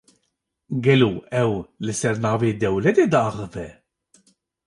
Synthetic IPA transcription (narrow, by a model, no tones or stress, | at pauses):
ɡɛloːɛwlɨsɛɾnɑːveːd̪ɛwlɛt̪eːd̪ɑːxɨvɛ